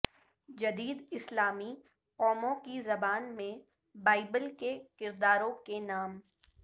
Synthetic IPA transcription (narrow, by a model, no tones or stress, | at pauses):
d͡ʒɐd̪iːd̪ɪslaːmi | ɔːmõkizɐbaːnmẽ | baːɪbəlkekɪɾd̪aːɾõkenaːm